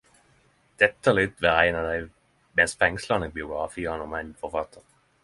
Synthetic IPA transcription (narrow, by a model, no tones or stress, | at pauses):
d̪̥ɛt̪ːəlɪt̪ʋɛʁæɪnɑd̪æɪ | mɛnsfɛŋslɑnəbɪʊɡʁɑfiːɑnɔmæɪnfɔʁfɑt̪ʰːəʁ